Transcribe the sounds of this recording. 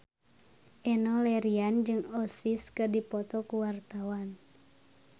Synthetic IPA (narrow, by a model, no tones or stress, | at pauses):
ʔɛnɔlɛɾiand͡ʒɨŋɔsiskɨrdipɔt̪ɔkuwart̪awan